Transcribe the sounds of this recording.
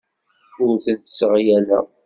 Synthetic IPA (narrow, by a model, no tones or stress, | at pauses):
ʊɾθənt̪ə̥sʁjælæ̰